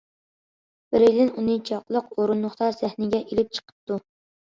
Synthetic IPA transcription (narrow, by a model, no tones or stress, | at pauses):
b̥ɪɾɪlɪnunɨt͡ʃʰɑqlˠəqoɾunːʊχt̪ɑɾsæhnɪɡʲɛʔelɪp̚t͡ʃʰə̥qʰə̥p̚t̪u